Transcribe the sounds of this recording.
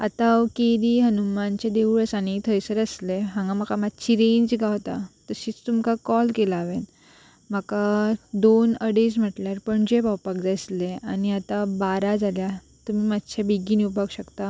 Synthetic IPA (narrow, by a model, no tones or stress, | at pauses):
at̪awkeɾiɦənumant͡ɕed̪eʋuɭəsanit̪ʰəjsəɾəsleɦãŋɡam̤əkamad̪t͡ɕʰiɾeɲd͡ʑɡawt̪at̪əɕiːt͡st̪umkakɔlkelaːʋen | m̤akad̪onəɽesm̤əʈljaɾpəɳd͡ʑebawpakd͡zajsleaniat̪abaɾad͡zalja | t̪umiːmat̪t͡ɕʰebiɡiniwpaɡɕəkt̪a